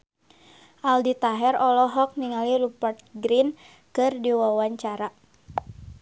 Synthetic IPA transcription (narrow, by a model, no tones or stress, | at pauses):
ʔaldit̪aɦɛrɔlɔɦɔk̚niŋalirupərt̪̚ɡɾin | kɨrdiwawaɲt͡ʃaɾa